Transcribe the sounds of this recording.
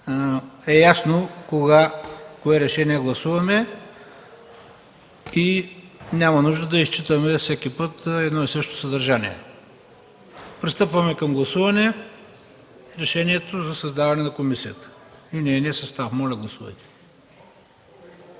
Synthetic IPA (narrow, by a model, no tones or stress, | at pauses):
ɛjasnokoɡakoɛɾɛʃɛniɛɡlˠɐsuvɐmɛ | inʲamɐnuʒd̪əd̪ɐist͡ʃit̪əmɛfsɛkʲipɤt̪ɛd̪nɔisɤʃt̪o̥sɐd̪ɐɾʒaniɛ̰ | pɾist̪ɤpvəmɛkɐmɡlˠɐsuvɐnɛ | iɾɛʃɛniɛt̪ozɐsɐzd̪avɐnɛnɐkomisiət̪ə̥inɛniɛsɐst̪avmɔlʲɐɡlˠɐsuvɐ̰jt̪ɛ̥